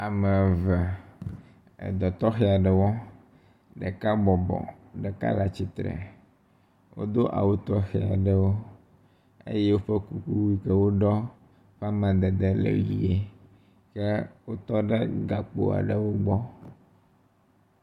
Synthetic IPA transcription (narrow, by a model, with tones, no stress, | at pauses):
a˨mɛ˨vɛ˨ | d̪ɔ˨t̪ɔ˦xɛ˨˦a˨ɖə˨wɔ˦ | ɖə˨ka˦bɔ˨bɔ̰˨ | ɖɛ˨ka̰˦la˨t͡ɕi˦t̪ɾɛ̰˨ | wo̰˦d̪o˦ʔa̰˨wo˦t̪ɔ˦xɛ˨a˨ɖə˦wo˦ | ḛ˦je˦wo˦ɸɛ˦ku˨ku˦wi˦kɛ˦wo˦ɖɔ˦ | ɸa˦mɛ̃˨d̪ɛ˨d̪ɛ˦lḛ˨˦i˨e˦ | ke˦wo˦t̪ɔ˦ɖɛ˦ɡa˨k͡po̰˨a̰˨ɖə˨wo˦ɡ͡bɔ˦